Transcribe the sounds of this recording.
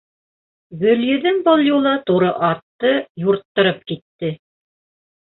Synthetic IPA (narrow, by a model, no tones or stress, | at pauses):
ɡɵ̆ljɘ̆ðɘŋbolˠjulˠɑt̪uɾɤʔɑt̪ːɤjuɾt̪ːɤ̆ɾɤp̚kit̪ːɘ